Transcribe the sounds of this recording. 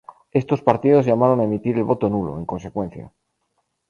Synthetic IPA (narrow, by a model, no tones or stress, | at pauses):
e̞st̪o̞spaɾt̪ið̞o̞zʝamaɾo̞naemit̪iɾe̞lβo̞t̪o̞nulo̰eŋko̞nse̞kwe̞n̟θja̰